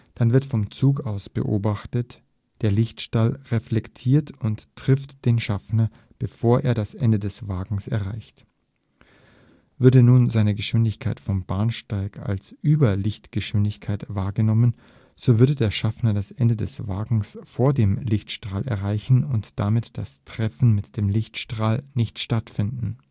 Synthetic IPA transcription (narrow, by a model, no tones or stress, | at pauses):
d̥anvɪɐtfɔmt͡suːk̬aʊsb̥ə̰ʔo̰ːbaχtət | d̥eːɐlɪçtʃtalʁeflɛktʰiːɐtʊntʁ̥ɪftd̥eːnʃafnɐ | b̥əfoːɐʔḛːɐɾasʔɛndədɛsv̥aːɡŋ̩sɛɐʁaɪçt | vʏɐdənuːnzaɪnəɡəʃv̥ɪndɪçkʰaɪtfɔmbaɐnʃtaɪka̰lsʔyːbɐlɪçtɡ̥əʃv̥ɪndɪçkʰaɪtv̥aːɐɡənɔmən | z̥oːvʏɐdədeːɐʃafnɐdasʔɛndədɛsv̥aːɡŋ̩sfoːɐdeːmlɪçtʃtʁ̥aːlʔɛ̰ɐʁaɪçn̩ʊntd̥amɪtd̥astʁ̥ɛfn̩mɪtd̥eːmlɪçtʃtʁ̥aːlnɪçtʃtatfɪndn̩